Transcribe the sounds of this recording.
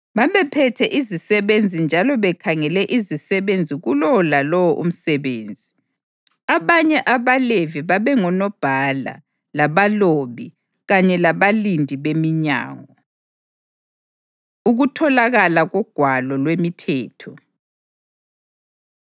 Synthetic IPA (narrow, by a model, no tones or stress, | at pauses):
βaβɛpʰɛtʰɛʔizisɛβend͡zʱind͡ʒʱalɔβɛkʰaŋɛlɛʔizisɛβend͡zʱiɣulɔlalɔwɔʔṵm̩sɛβeːnd͡zʱi | aβaɲɛʔaβaleviβaβɛŋɔnɔb̥ʱala̰ | laβaloβi | ɣaɲɛlaβalindʱiβemiɲa̰ːŋɔ | uɣutʰɔlaɣalaɣɔɡ̥ʱwalɔlwemitʰɛːtʰɔ